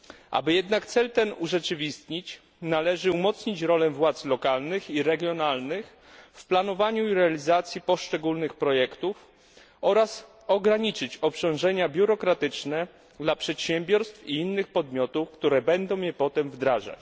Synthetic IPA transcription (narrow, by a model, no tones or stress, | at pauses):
ʔa̰bɘjɛd̪nakt̪sɛlt̪ɛnuʐɛt͡ʂɘvʲist̪ɲit͡ɕ | nalɛʐɘumɔt̪sɲit͡ɕɾɔlɛvwat̪slɔkalnɘxiɾɛɡʲjɔnalnɘx | fplanɔvaɲuiɾɛalʲizat̪sʲjipɔʂt͡ʂɛɡulnɘxpɾɔjɛkt̪uf | ɔɾas | ɔɡɾaɲit͡ʂɘt͡ɕɔpt͡ɕɔ̃w̃ʐɛɲabʲjuɾɔkɾat̪ɘt͡ʂnɛ | d̪lapʂɛt̪ɕɛmbʲjɔɾst̪fiinːɘxpɔd̪mʲjɔt̪ufkt̪uɾɛbɛnd̪ɔ̃w̃jɛpɔt̪ɛmvd̪ɾaʐa̰t͡ɕ